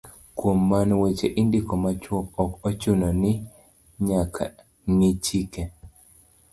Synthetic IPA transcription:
kwomːanwet͡ʃeʔɪndɪkɔmat͡ʃwɔkɔkɔt͡ʃunɔnɪ | ɲakʰa̰ | ŋit͡ʃike

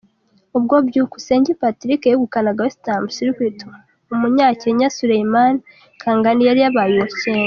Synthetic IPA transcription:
ub̚ɡobɟuːku̥se̞ːɲɟipatiɾikejeɡukanaɡawestambsiɾikwito | umuɲaːceɲasuɾejiman | kʰaːŋɡanijaɾijaβajuwoceːŋɡa

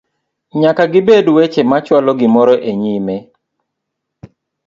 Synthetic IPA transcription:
ɲakaɡɪbedwet͡ʃemat͡ʃwalɔɡɪmɔɾɔʔeɲime

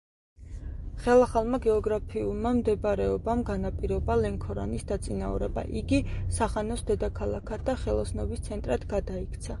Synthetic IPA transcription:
χɛlˠaχalˠmaɡɛɔɡɾapʰiulˠmamd̪ɛbɾɛɔbamɡanapʼiɾɔbalɛŋkʰɔɾa̰nisd̪at̪sʼinaṵɾɛba̰ʔiɡisaʁanɔsd̪ɛd̪akʰalˠakʰad̪aχɛlˠɔsnɔbist̪sʰɛnt̪ʼɾad̪ɡad̪aikʰt̪sʰa

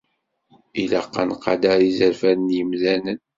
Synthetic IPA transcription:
ilæqːɑ̰nqːɑ̰d̪æɾizəɾfæɾnjəmlænən

